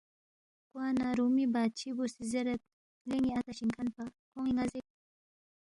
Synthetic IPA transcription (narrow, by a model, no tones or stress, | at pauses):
kwanaɾumibat͡ʃibusizeɾət̪̚ | leŋiat̪aʃiŋkʰanpakoŋiŋazek̚